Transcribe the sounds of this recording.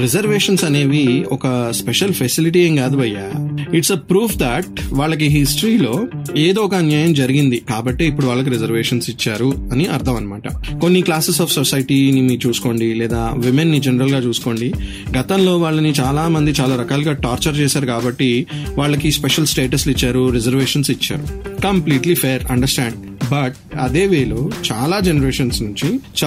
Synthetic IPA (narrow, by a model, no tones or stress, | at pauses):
ɾed͡ʒɐɾʋeːʂɐnsɐne̞ːʋiɔkɐspeʃɐlpʰesiliʈieŋɡaːd̪uʋɐjːaːiʈsɐpɾuːpʰd̪ɛʈ̚ʋaːɭːɐk̬iɦisʈɾiːlo̞ːeːd̪oːɔkɐɐnjaːjɐmd͡ʒɐɾiɡind̪ikaːbɐʈːeːipːuɽuʋaːɭːɐk̬iɾɛd͡ʒɐɾʋeːʂɐnsit͡ʃːaːɾuɐniʔɐ̰ɾt̪ʰɐmɐnɐmaːʈɐko̞nːiklaːsesaːfʰsosɐjʈiːnimit͡ʃuːsu̥ko̞ːɳɖilɛːd̪aːʋimenːid͡ʒenɐɾɐlɡaːt͡ʃuːsu̥ko̞ːɳɖi | ɡɐt̪ɐmlo̞ːʋaːɭːɐnit͡ʃaːlaːmɐnd̪it͡ʃaːlaːɾɐkaːlɡaːʈaːɾt͡ʃɐɾt͡ʃeːsaːɾukaːbɐʈːiʋaːɭːɐkispeʂɐlsʈe̞ːʈɐslit͡ʃːaːɾuɾed͡ʒɐɾʋeːʂɐnsit͡ʃːa̰ːɾukɐmpliːʈlipʰeːɾɐ̰ɳɖɐɾsʈaːɳɖ̚ | bɐʈ̚ | ɐd̪e̞ːʋeːlut͡ʃaːlaːd͡ʒenɐɾeːʂɐnsnuɲt͡ʃit͡ʃ